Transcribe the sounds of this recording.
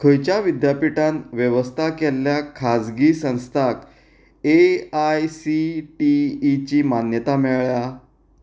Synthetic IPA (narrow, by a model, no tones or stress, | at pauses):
kʰəjt͡ɕjaʋid̪japiʈãnʋjeʋəst̪ʰakɛlːjakʰad͡zɡiːsə̃w̃st̪ʰak | eajsiʈiːt͡ɕiːmanjət̪ameɭɭja